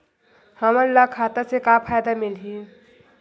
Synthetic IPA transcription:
həməɾlakʰaːt̪asekapʰaːjd̪amɪlɦi

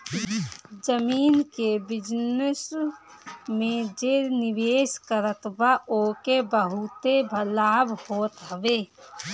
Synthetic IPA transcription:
d͡ʒəmiːnkebɪd͡ʒnəs | mẽd͡ʒeɾnɪʋeːskəɾət̪baʔoːkebəɦut̪ebʱəlaːbhoːt̪ɦəʋe

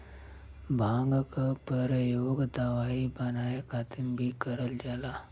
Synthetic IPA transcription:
bʱãːŋɡkapəɾjoːɡd̪aʋaːibənaːekaːt̪ɪmbʱikəɾəld͡ʒaːlaː

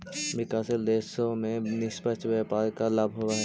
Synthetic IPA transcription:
ʋɪkaːseld̪eːʃõmẽnɪʃpət͡ʃʋaːpaːɾkalaːbʱɦoːwaɦɛ

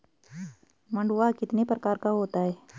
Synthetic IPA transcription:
mɐ̃ɳɖʊʋakɪt̪nepɾɐkaːɾkaɦoːt̪aɦɛː

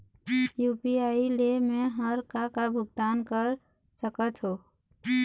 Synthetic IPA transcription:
juːpiailemeɦəɾkakabʱʊɡ̚d̪aːnkəɾ | səkət̪ɦo

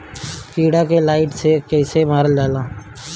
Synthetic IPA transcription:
kiːɽakelaːɪʈsekɛːsemaːɾəld͡ʒaːlaː

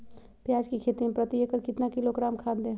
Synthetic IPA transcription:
pjaːd͡ʒkikʰeːt̪iẽpɾət̪iekəɾkɪt̪nakɪlokɾaːmkʰaːd̪d̪ẽː

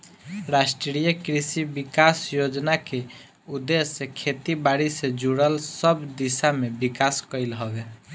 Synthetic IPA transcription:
ɾasʈɾɾijəkɾisibikasjod͡ʒnake | ud̪ːesːekʰet̪ibaɽised͡ʒuɽəlsəbd̪isamebikaskəɪlɦɔbe

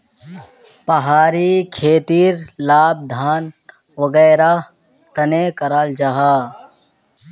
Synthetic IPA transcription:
pɐɦaːɾikʰeːt̪iːɾlaːb̚d̪ʱaːn | ʋɐɡɛːɾa | t̪ɐnekɐɾaːld͡ʒaɦaː

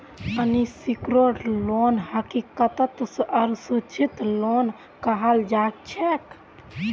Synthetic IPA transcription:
ənisikɾoʈlonhəkikət̪ət̪əɾsut͡ʃʰit̪lon | kəɦəld͡ʒak̚t͡ʃʰɛk

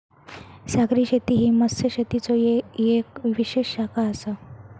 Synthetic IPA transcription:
sakɾiːɕet̪iɦiːməsəɕet̪it͡sojejekʋiʋiɕeɕːakʰaəsə

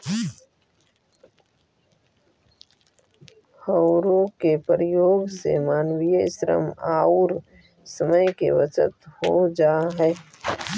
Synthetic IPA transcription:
həʊɾõkepɾɪjoːɡsḛmaːnwijəɪʃɾə̰maːuɾ | səməjkḛʋət͡ʃə̰t̪hod͡ʒaːɦɛː

